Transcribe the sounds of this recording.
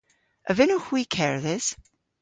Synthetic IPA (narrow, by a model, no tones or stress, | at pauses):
ʔə̰vɪnohwikʰɛɹðɪs